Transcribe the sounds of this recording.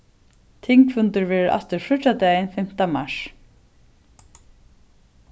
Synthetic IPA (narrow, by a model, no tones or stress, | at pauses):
t̪ʰɪŋkfʏnt̪ɪɹvɛːɹɪɾʔa̰ft̪ɪɾfʊad̪ɛːjɪnfɪm̥t̪amaʂ